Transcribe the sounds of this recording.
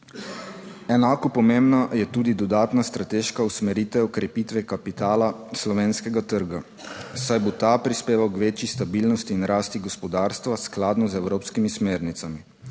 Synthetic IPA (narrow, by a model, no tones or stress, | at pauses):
ɛnaːkɔpɔmembnajɛt̪uːd̪id̪ɔd̪aːt̪nast̪ɾat̪eːʃkausmɛɾiːt̪ʋɛɔkɾɛpiːt̪ʋɛkapit̪aːlaslɔʋeːnskɛɡat̪əɾɡa | sajbɔt̪apɾispeːʋawkʋeːt͡ʃjist̪abiːlnɔst̪iːnɾaːst̪iɡɔspɔd̪aːɾst̪ʋasklaːd̪nɔzɛwɾoːpskimismeːɾnit̪sami